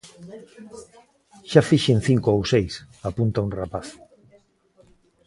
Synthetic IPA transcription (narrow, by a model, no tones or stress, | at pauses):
ʃafiʃenθiŋkoowsejsapunt̪aunrapaθ